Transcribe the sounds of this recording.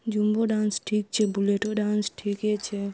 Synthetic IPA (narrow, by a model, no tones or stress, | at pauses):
d͡ʒumboɖansʈʰik̚t͡ʃʰebuleʈoɖansʈʰikɦɛt͡ʃʰe